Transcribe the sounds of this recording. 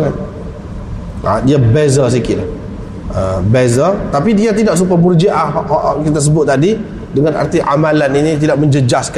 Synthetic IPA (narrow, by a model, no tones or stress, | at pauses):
an | ʔa̰diabɛzəs̬ikɪʔla | əbɛzət̪apidiat̪̬idaʔs̬upəmurd͡ʒiʔaʔhɔʔɔʔkit̪as̬əbʊt̪̚ːadi | dəŋana̰rt̪iʔa̰mãlaninit̪̬idaʔ̚mə̃ɲd͡ʒəd͡ʒask